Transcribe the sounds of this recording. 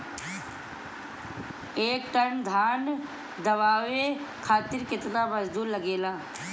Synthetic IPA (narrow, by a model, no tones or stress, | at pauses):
eːk̚ʈənd̪ʱaːn | d̪ɐʋaːʋekʰaːt̪ɪɾkɪt̪naməzd̪uːɾlɐɡeːlaː